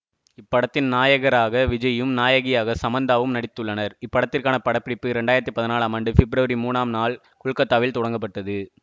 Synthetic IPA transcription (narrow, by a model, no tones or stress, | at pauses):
ɪpːɐɽɐt̪ːɪnnaːjɐɣɐɾaːɣɐʋɪd͡ʒɐjɯmnaːjɐɣɪjaːɣɐsɐmɐnd̪aːʋɯmnɐɽɪt̪ːɯɭːɐnɐɾɪpːɐɽɐt̪ːɪrkaːnɐpɐɽɐpːɪɽɪpːɯɾɛɳɖaːɪɾɐt̪ːipːɐðɪnaːlaːmɐɳɖɯfɪbɾɐʋɐɾimuːnaːmnaːl | kʊɻkːɐt̪ːaːʋɪlt̪ɔɽɐŋɡɐp̬ːɐʈːɐðɯ